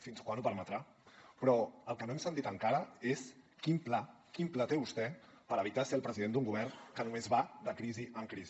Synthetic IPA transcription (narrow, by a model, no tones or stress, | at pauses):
finskwanupəɾmət̪ɾa | pɾɔəlˠkənoemsənt̪it̪əŋkaɾəeskimpla | kimplat̪eβust̪ɛpəɾəβit̪aseəlˠpɾəziðend̪uŋɡuβ̞ɛrnkənumezβad̪əkɾiziʔəŋkɾizi